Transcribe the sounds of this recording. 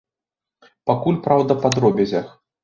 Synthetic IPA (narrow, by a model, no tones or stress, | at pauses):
pakulʲpɾawd̪ɐpad̪rɔbʲɛzʲax